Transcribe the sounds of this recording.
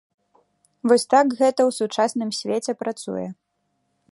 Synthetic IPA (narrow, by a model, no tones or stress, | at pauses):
vɔsʲt̪akɣɛt̪ɐwsut͡ʂasnɨmsʲvʲet͡sʲɛpɾat̪sṵjɛ̰